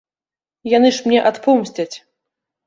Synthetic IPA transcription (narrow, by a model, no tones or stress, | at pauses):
janɨʂmnʲɛʔat̪pɔmsʲt͡sʲɐt͡sʲ